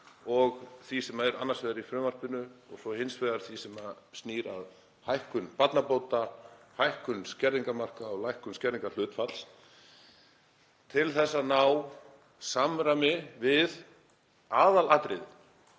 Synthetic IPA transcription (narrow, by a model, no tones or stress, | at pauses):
ɔɣθisɛmaɛɾanːaɾsvɛːðaɾifɾʏːmar̥pʏnʏɔɣsɔhɪnsvɛðaɾ̥θisɛma | st̪niːɾa̰ð | hajhkʏnpat̪napoːwt̪ahajhkʏnscɛɾiŋkamar̥kaɔɣlajhkʏnscɛɾiŋkal̥ʏːt̪fal̥s | t̪ʰɪlθɛsːanaːw | samɾamɪvɪð | aːðalaːt̪ɾɪð